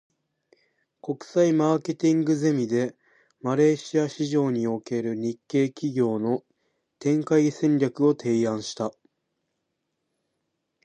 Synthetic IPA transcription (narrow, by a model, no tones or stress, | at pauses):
ko̞kɯ̟̥saimaːke̞t̪ʲĩŋɡɯ̟ze̞mʲid̪e̞ | maɾe̞ːɕiaɕiʑo̞ːɲ̟io̞ke̞ɾɯ̟ɲ̟ikːe̞ːkʲiɡʲo̞ːno̞ | t̪ẽ̞ŋkaisẽ̞ɲɾʲakɯ̟o̞t̪ʰe̞ːãɰ̃ɕi̥t̪a